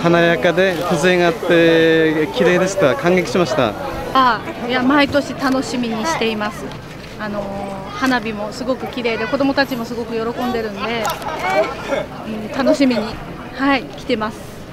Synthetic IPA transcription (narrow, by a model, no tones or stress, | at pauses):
hanajakad̪e̞kɯzɨẽŋat̪ːe̞kʲiɾe̞ːd̪e̞sɨ̥kakãŋɡekʲi̥ɕimaɕi̥t̪a̰ajamait̪o̞ɕit̪ano̞ɕimʲiɲ̟iɕi̥t̪e̞imasɨ | ano̞ | hanabʲimo̞sɨɡo̞kɯ̟kʲiɾe̞ːd̪e̞ko̞d̪o̞mo̞t̪at͡ɕimo̞sɨɡo̞kɯ̟jo̞ɾo̞kõ̞nd̪e̞ɾɯ̟̃nd̪e̞ | ɯ̟̃ɴt̪ano̞ɕimʲiɲ̟i | haikʲi̥t̪e̞masɨ̥